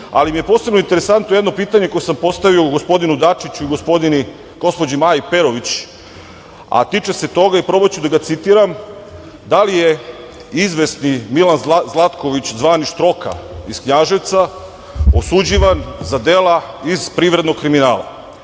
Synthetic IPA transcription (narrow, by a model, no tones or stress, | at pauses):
a̰limije̞po̞se̞bnoint̪eɾe̞sant̪nojed̪no̞piːt̪aɲe̞ko̞jesampo̞st̪aʋioɡospo̞d̪inud̪at͡ʃit͡ɕuiɡospod̪ini | ɡ̥o̞spo̞d͡ʑimajipe̞ɾoʋit͡ɕ | a̰t̪it͡ʂe̞se̞t̪o̞ɡaipɾo̞bot͡ɕud̪aɡat̪sit̪iɾam | d̪alije̞ | izʋesnimilanzlˠat̪ko̞ʋit͡ɕzʋaːniʃt̪ɾo̞ka̰iskɲaʒeʋt̪sa | osud͡ʑiʋanzad̪e̞laiz̥pɾiːʋɾed̪noɡkːɾiminaːlˠa̰